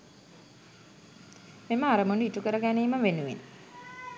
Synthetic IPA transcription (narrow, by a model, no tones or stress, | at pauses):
meməaɾəmunuiʈukəɾəɡæniːməʋenuʋḭn